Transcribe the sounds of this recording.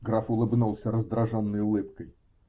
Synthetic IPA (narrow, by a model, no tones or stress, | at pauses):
ɡɾafʊlˠɨbnulˠsʲəɾəzd̪ɾɐʐonːəjʊlˠɨp̚kəj